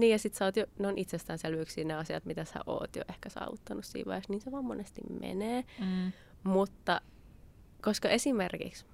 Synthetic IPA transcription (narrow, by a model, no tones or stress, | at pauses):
niːjɑsit̪sɑːˑt̪joneonʔit̪sest̪ænselyøksiːneɑsiɑ̰t̪mit̪æsæ̰ʔo̰ːt̪jo̰ʔehkæsɑ̰ːʋut̪ːɑnussḭːʋɑ̰heksniːnseʋɑːmmonest̪ḭmmḛneː | mut̪ːɑ | koskɑʔesimerkḭks